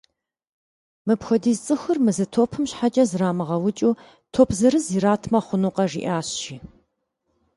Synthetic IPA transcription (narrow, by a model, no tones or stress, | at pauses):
mɨpxʷɔdiːzt͡sʼɨxɨrmɨzɨtʰoːpʰɨmɕħat͡ʃʼɐzɨraːmɨʁɐwʊt͡ʃʼuː | tʰoːpʰzɨɾɨziːɾaːtʰmɐχʷʊnuːqɐʐḭʔaːɕʃiː